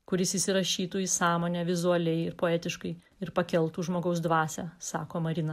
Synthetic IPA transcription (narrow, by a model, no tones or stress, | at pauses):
kʊɾʲɪsɪsʲɪɾɐʃʲiːt̪uːisɑːmoːnʲɛːʋʲɪzuɐlʲɛɪɪɾpoːɛːt̪ʲɪʃkɐɪ | ɪɾpɐkʲɛlˠt̪uːʒmoːɡɐʊsd̪ʋɑːsʲæsɑ̰ːkoːmɐɾʲɪːnɐ